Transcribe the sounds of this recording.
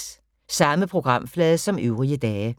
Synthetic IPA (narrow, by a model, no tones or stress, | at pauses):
sɑ̈məpʰʁo̝ɡ̥ʁɑ̈m̰flɛːðˠsɒ̽møʊʁiəd̥ɛːə